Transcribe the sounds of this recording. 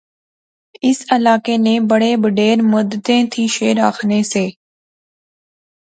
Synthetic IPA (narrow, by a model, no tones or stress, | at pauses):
ɪsəlaːkeːnẽbəɽebəɖeːɾmʊd̪t̪ẽːt̪ʰiːʃeːɾaːxʰneseː